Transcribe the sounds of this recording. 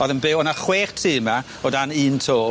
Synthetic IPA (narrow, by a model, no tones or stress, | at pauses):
ɔðənbewɔnaχweːrtʰiːma | ɔdaniːntʰoː